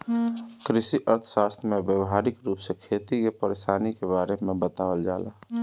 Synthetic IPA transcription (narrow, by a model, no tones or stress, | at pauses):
kɾɪsiʔəɾt̪ʰsaːst̪ɾmẽbjəwɦaːɾɪkɾuːpsekʰeːt̪ikepəɾeːsaːnikebaːɾemẽbət̪aːwəld͡ʒa̰ːla̰ː